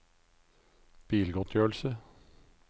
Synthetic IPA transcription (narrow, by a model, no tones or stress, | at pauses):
b̥iːlɡɔt̪ʰjøːɭ̩sə